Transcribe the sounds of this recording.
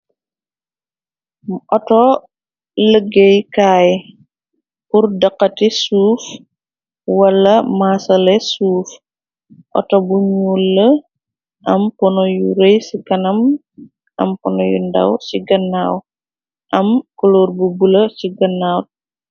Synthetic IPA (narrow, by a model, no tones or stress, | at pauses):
ʔɔtɔ | ləɡejkaːj | purdɐqːɐtisuːf | wɐlːɐmaːsɐlɛsuːf | ʔɔ̰tɔbuɲuːlːə | ʔɐmpɔnɔjṵɾejsikɐnɐm | ʔɐ̰mpɔnɔjṵndɐ̰wsiɡɐnːaːw | ʔɐmkɔlɔːrbubulɐsiɡɐnːaːw